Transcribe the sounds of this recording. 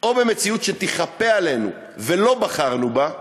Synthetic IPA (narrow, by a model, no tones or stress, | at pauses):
o̞be̞me̞t͡siutʃet̪iχape̞ale̞nṵ | ve̞lo̞baχaʁnuba